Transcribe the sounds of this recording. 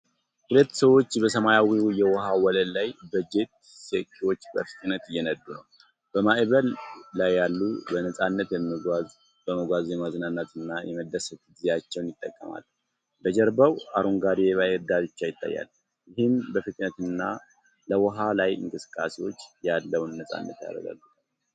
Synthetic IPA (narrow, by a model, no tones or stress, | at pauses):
hulət̪ːsəwo̞t͡ʃːbəsəmajawijɛwɔɦawɔləllajbəd͡ʒe̞t̪̚ | sekʰːewo̞t͡ʃːbəfɨ̥k̪ʼnət̪jɛnəd̪ːunəw | b̥əmaʔβəlːajːalːubənəsʼanːət̪ | bəməɡʷazjɛmazɨnanːat̪ɨnːajɛməd̪ːəsət̪ɡzejat͡ʃːɛwnjɪt̪ʼːəkʼːəma̰l | bəd͡ʒɛɾbawaɾuŋɡaɾjeβajɾd̪abɨt͡ʃːajɪt̪ʼːa̰jːa̰l | jɪhɪnbəfɨt̪ʼnət̪ɨnːa | ləwɔɦalajɨ̰ŋkʼɨsɨ̥kʼːasewo̞t͡ʃːjalːəwnːəsʼa̰nːə̰t̪ja̰rə̰ɡa̰lːu